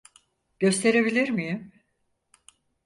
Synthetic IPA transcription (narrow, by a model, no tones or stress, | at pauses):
ɟ̥ø̞st̪ʰe̞ɾe̞bilʲiɾmijim